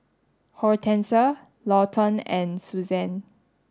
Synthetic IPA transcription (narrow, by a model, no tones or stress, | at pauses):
hɔɹtʰɛ̃nsə | lɔtʰə̃nɛ̃nsuzɛ̃n